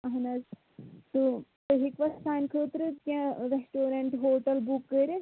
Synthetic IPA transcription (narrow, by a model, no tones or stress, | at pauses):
ɐɦɐnɐz | t̪u | t̪ɐɦikʋɐssaːnkʰəːt̪ɾɨt̪kʲãɾesʈoːɾɐɳʈɦoːʈɐlbukːəɾe